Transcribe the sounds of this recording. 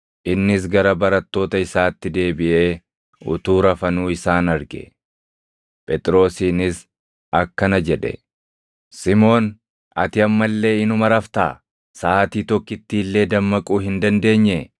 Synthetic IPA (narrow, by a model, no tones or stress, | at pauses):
ʔɪnːɪs̬ɡɐɾɐbɐɾɐt̪ːo̞ːt̪ɐɪsaːt̪ːɪd̪e̞ːbɪʔe̞ː | ʊ̰t̪uːɾɐfɐnuːɪsaːnɐɾɡɛ̰ | pʼɛt̪ʼɾo̞ːsiːnɪs | ɐkːɐnɐd͡ʒɛᶑɛ̰ | sɪmo̞ːn | ɐ̰t̪ɪɐmːɐlːe̞ːɪnʊmɐɾɐft̪a̰ː | saːt̪iːt̪ɔkːɪt̪ːiːlːe̞ːd̪ɐmːɐkʼuːhɪnd̪ɐnd̪e̞ːɲːɛ